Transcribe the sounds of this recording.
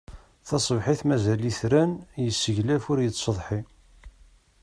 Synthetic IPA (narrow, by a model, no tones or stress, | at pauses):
θɑsˤəvħiθmæzæliθɾænjəsːəʝlæfʊɾjət͡sːsəðˤħi